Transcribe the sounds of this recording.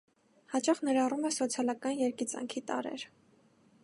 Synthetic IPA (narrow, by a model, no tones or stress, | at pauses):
hɑt͡ʃɑχnɛɾɑrumɛsɔt͡sʰjɑlɑkɑnjɛɾkit͡sɑ̰ŋkʰit̪ɑ̰ɾɛ̰ɾ